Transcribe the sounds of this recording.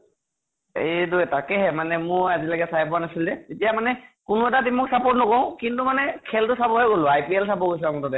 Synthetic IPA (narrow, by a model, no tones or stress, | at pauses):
ejduɛtakɛɦɛmanɛmʊɹazilaɡɛsajp̬ɔanasildɛtetijamanɛkʊnʊɛtatimɔksapɔt̚nɔkɔʊ̃kintumanɛkʰɛltʊsabɔɦɛɡolʊ̃ajpiɛlsabɔɡojs̬ɛamɔtɔdɛ